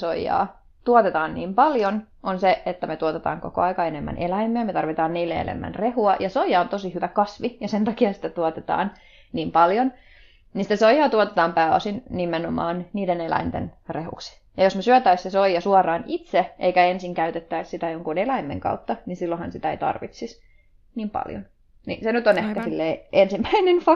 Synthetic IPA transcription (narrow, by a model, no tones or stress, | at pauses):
soijːɑ̰ː | t̪uot̪et̪ɑːnniːmpɑljon | ʔonseet̪ːæmet̪uot̪et̪ɑ̰ːŋko̰ko̰ɑikɑenemːæ̰nʔelæimːeæmet̪ɑrʋit̪ɑːnniːlːḛḛlḛmːæ̰nrehuɑjʔɑsoijɑont̪osihyʋækɑsʋijɑsent̪ɑkiɑsi̥t̪æt̪uot̪et̪ɑ̰ːn | niːmpɑljon | ninsit̪æsojɑːt̪uot̪et̪ɑːmpæːɑ̰sinnimenomɑ̰ːnniːdenelæ̰int̪ḛnrehṵksi̥ | jɑjosmesyæt̪æissesoijɑsuɑrɑːnit̪seʔeikæensiŋkæyt̪et̪ːæissit̪æjoŋkunelæimːḛŋkɑ̰ut̪ːɑninsilːohɑnsit̪æḛijt̪ɑ̰rʋḭt̪sis | niːmpɑ̰ljo̰n | nḭsenyt̪onehkæsilːeːʔensimːæinenfɑ